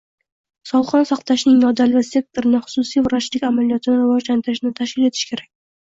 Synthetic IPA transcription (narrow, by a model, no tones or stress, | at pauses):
sɒlˠχɒnsɑqt̪ʰaʃnɪŋnɒd̪alvase̞k̚t̪ʰoɾɪnɪχʊ̥sʊsijvʊɾat͡ʃlɪkʲamalijɒt̪ʰɪnɪɾɪvɒʒlant̪ʰɪɾɪʃnɪt̪ʰaʃkʲɪle̞t̪ʰɪ̥ʃkʲʰe̞ɾakʲ